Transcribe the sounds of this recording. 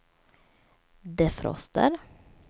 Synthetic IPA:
d̪eːfɾɔ̰st̪ə̰ɾ

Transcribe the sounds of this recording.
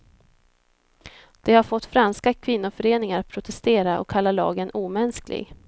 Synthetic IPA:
d̪̥ɛhaɾfɔt̪ːfɾanskakʰvɪnːʊfœɾeːnɪŋaɾpʰɾʊt̪ʰɛst̪eːɾaʔɔ̰kʰːalːalɑ̰ːɡənuːmɛnsklɪ̰ɡ

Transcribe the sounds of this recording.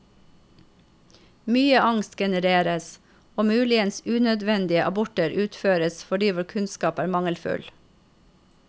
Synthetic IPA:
myːəʔɑŋst̪ɡɛnəɾeːɾəs | oːmʉːlɪənsʉːnœd̪ʋɛnd̪ɪəʔɑbʊʈəɾʔʉːt̪føːɾəsfɔɖiːʋʊɾkʰʉnskɑːpæːɾmɑŋəlfʉ̰l

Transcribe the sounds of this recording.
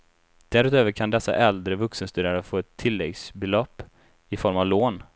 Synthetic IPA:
d̪̥æɾʉt̪øːvəɾkʰand̪ɛsːa̰ʔɛld̪ɾəvɵksənst̪ʉːaɾəfoːɛt̪ʰːɪlːɛɡsbɛlɔpː | ɪfɔɾmavloːn

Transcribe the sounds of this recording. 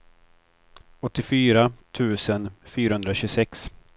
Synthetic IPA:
ɔt̪ːɪfyːɾat̪ʰʉ̟ːsənfyːɾahɵnd̪ɾaɕʉsɛks

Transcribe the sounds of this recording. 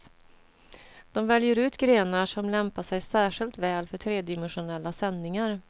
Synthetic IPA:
d̪̥ɔmvɛljəɾʉ̟ːt̪ɡɾeːnaʂɔmlɛmpaʂɛjsæːʂɪlt̪vɛːlfœʈʰɾeːd̪ɪmɛnɧʊnɛlːasɛnːɪŋaɾ

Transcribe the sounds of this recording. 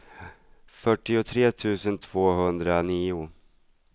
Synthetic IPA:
fœʈːɪʊt̪ʰɾeːt̪ʰʉ̟ːsənt̪ʰv̥oːɦɵnd̪ɾaniːʊ

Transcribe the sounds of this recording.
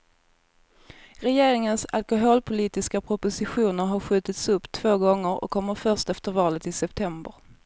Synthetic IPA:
ɾɛjeːɾɪŋənsa̰lkʊɦoːlpʰʊliːt̪ɪskapʰɾʊpʊsɪɧuːnəɾɦaɾɧʉ̟ːt̪ɪt̪sɵpːt̪ʰv̥oːɡɔŋːəɾɔ̰kʰːɔmːəɾfœʂt̪ɛft̪əɾvɑːlət̪ɪsɛpt̪ʰɛmbəɾ

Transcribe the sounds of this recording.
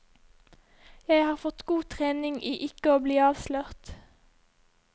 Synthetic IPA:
jæɪhɑːʁfɔt̪ɡuːt̪ʰʁeːnɪŋʔiːʔɪkəoːbliːɑːʋsløʁt̪

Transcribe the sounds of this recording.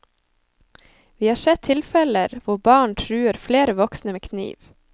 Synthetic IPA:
ʋiːhɑːsɛt̪̚t̪ʰɪlfɛləɾʋʊbɑːɳʈʰɾʉːəɾfleːɾəʋɔksnəmeːkʰnḭːʋ

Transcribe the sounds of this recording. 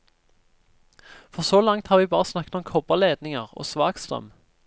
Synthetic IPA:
fɔʁsoːlɑŋt̪hɑːʁʋiːbɑːʁəsnɑkːət̪ɔmkʰɔbəʁleːd̪nɪŋəʁo̰ːsʋɑːkst̪ʁœ̰m

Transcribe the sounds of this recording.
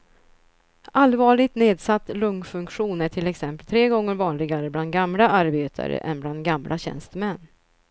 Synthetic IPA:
ʔalvɑːɭɪɡ̚t̪neːd̪sat̪ːlɵŋfɵŋkɧuːnæʈʰɪlɛksɛmpəlt̪ʰɾeːɡɔŋːəɾvɑːnlɪɡaɾəbland̪̚ɡamlaʔaɾbeːt̪ʰa̰ɾə̰ʔɛ̰nbland̪̚ɡamlʔa̰ɕɛ̰nst̪əmɛnː

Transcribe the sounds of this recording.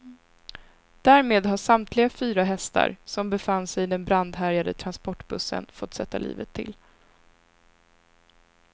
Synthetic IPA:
d̪̥æːɾmeːd̪ɦaʂamt̪ʰlɪɡafyːɾaɦɛst̪a̰ɾsɔmbɛfanːsɛjɪd̪ɛnbɾand̪ɦæɾjad̪ət̪ʰɾanspɔʈːbɵsːə̰nfɔt̪ːsɛt̪ːalḭːvət̪ʰːɪ̰l

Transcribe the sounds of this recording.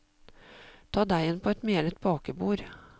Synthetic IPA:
t̪ʰɑːd̪æɪɛnpʰɔːɛt̪meːlət̪̚bɑːkəbuːɾ

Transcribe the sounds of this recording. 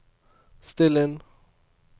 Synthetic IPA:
st̪ɛlən

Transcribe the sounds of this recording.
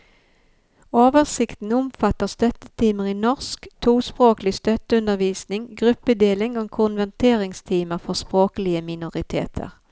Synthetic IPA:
oːʋəʁsɪkt̪n̩ʊmfɑt̪əʁst̪œt̪ət̪ʰiːməʁiːnɔʁskt̪ʰuːspʁoːklɪst̪œt̪əʉnəʁʋiːsnɪŋɡʁʉpːəd̪eːlɪŋoːkʰʊnʋæʁt̪ʰeːʁɪŋst̪ʰiːməʁfɔʁspʁoːkəlɪəmɪnʊʁɪt̪ʰḛːt̪ʰə̰ʁ

